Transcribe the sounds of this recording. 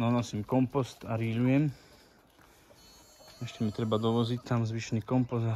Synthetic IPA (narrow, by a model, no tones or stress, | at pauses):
nɔnɔsimkɔmpɔst̪aɾiʎujɛm | ɛʃcɛmit̪ɾɛbad̪ɔʋɔzict̪amzʋiʃnikɔmpɔs